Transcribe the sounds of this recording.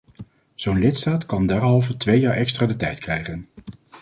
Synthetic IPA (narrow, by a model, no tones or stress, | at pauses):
z̥ownlɪtstaːtkɑndɛɹɦɑlˠvəɹtʋejaːɹʔɛkstraːdətɛjtkrɛjχən